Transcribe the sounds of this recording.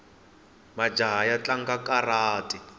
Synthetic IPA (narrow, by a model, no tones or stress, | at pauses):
mad͡ʒaɦajat͡ɬaŋ̩kakʼaraːtʼi